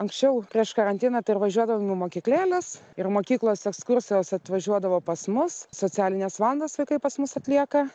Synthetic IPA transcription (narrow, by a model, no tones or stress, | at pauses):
ɐŋksʲt͡ʃʲɛʊpʲɾʲiɛʃkɐɾɐnʲt̪ʲɪnɐt̪ɐɪɪɾʋɐʒʲuɔd̪ɐʋoːmʲɪmoːkʲiklʲæːlʲɪsɪrmoːkʲiːklˠoːsɛkskʊrʲsʲɪjoːsɐt̪ʋɐʒʲuɔd̪ɐʋoːpɐsmʊssoːt͡s̪ʲæːlʲɪnʲɛsʋɑːlˠɐnd̪ɐːsʋɐɪkɐɪpɐsmʊsɐt̪ʲlʲiɛkɐ